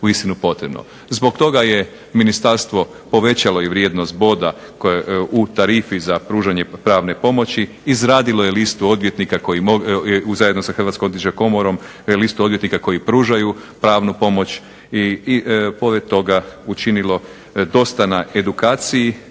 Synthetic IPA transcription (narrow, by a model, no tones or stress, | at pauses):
uist̪inupo̞t̪ɾebno̰ | zbo̞ɡt̪o̞ɡaje̞ | minist̪aɾst̪ʋo̞ | po̞ʋe̞t͡ɕalo̞iʋɾjed̪nost̪̚bo̞d̪akut̪aɾifizapɾuːʒaɲe̞pɾaːʋne̞po̞mo̞t͡ɕiːzɾaːd̪ilˠojelist̪uo̞d̪ʋjet̪nikako̞jiouzaje̞d̪nosaxr̩ʋat̪skomot̪it͡ʃeko̞moɾo̞m | list̪uod̪ʋjet̪nikako̞jipɾuːʒajupɾaːʋnupo̞mo̞t͡ɕ | i | po̞ɾed̪̚t̪ːo̞ɡaut͡ʃinilo̞ | d̪o̞st̪anae̞d̪ukaːt̪siji